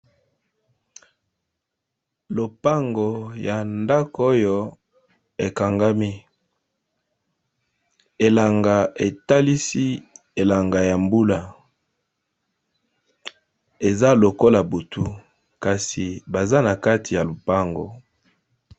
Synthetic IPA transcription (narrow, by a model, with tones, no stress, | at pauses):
lo˨pa˦ŋɡo˨ja˨nda˦ko˦jo˦ | e˨ka˨ŋɡa˦mi˦ | e˨la˨ŋɡa˨e˨ta˦li˦si˦ | e˨la˨ŋɡa˨ja˨mbu˦la˨ | e˨za˦lo˨ko˦la˨bo˨tu˦ | ka˨si˨ba˨za˦na˨ka˦ti˨ja˨lo˨pa˦ŋɡo̰˨